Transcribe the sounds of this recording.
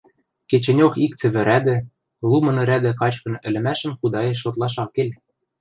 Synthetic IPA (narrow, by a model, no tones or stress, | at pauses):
ket͡ɕĕnʲokik̚t͡sɘ̆βɘ̆ɾæd̪ɘ̆ | lˠumɤ̆nɘ̆ɾæd̪ɘ̆kɑt͡ɕkɤ̆nɘ̆lɘ̆mæʃə̆mxud̪ɑjeʃ̬ot̪lˠɑʃ̬ɑkːelʲ